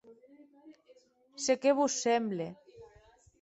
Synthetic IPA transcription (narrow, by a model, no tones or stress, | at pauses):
sekeβusːemble